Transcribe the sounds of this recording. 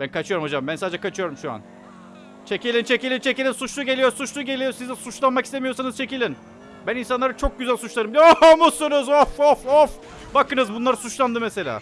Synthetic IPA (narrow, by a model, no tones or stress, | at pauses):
bænkat͡ʃʰɯjo̞ɾumod͡ʒambænsaːd͡ʒɛkʰat͡ʃʰɯjo̞ɾumʃua̰n | t͡ʃʰe̞cʲilʲint͡ʃʰe̞cilʲint͡ʃʰe̞cilʲinsut͡ʃlˠuɟe̞lʲijo̞ɾsut͡ʃlˠuɟe̞lʲijo̞ɾsizisut͡ʃlˠanmaki̥st̪emijo̞ɾsanɯzt͡ʃʰe̞cilʲin | bæninsanlˠaɾɯt͡ʃʰo̞k̚ɟyzælʲsut͡ʃlˠaɾɯmbd̪ʲiomusonøzofofof | bakɯnɯzbunlˠaɾɯsut͡ʃlˠand̪ɯmese̞lʲa̰ː